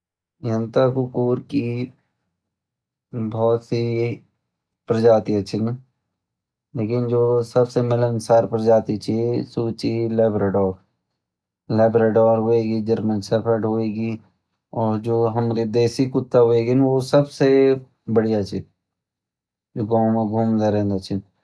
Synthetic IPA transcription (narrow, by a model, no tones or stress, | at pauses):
jɐnt̪akukuːɾki | bɔːt̪si | pɾɐd͡ʒaːt̪iɐʃʰin | leːkɪnd͡ʒoːsɐbsemɪlənsaːɾpɾəd͡ʒaːt̪it͡ʃisuːt͡ʃilɛːbɾeɖɔːk | lɛːbɾeːɖɔːɾɦoːeːɡid͡ʒəɾmənsəpʰəɾʈɦoːeːɡi | ɔːɾd͡ʒoːɦəmɾed̪eːsikʊt̪ːaɦoeːɡinʋosəbse | bəɽijat͡ʃʰi | d͡ʒoːɡãːmẽɡʱuːmd̪eɾɛ̃nd̪ɐt͡ʃʰɪn